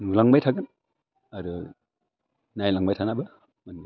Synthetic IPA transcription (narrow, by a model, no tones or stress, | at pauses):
nulaŋbajtʰaɡɯn | aɾu | najlaŋbajtʰanabɐ | manɡ